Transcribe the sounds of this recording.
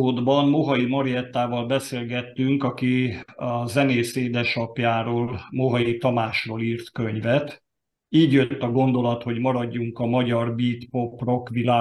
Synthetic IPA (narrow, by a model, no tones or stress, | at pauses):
oːd̪bɒmmo̞ɦɒimɒɾijɛt̪ːaːvɒlbɛseːlɡɛt̪ːyŋkɒkiɒzɛneːseːd̪ɛʃɒpjaːɾoːlmo̞ɦɒit̪ɒmaːʃroːliːrt̪kø̞ɲvɛt̪ | iːɟjø̞t̪ːɒɡo̞nd̪o̞lɒt̪ho̞ɟmɒɾɒɟːuŋkɒmɒɟɒrbiːt̪po̞pro̞kʋilaː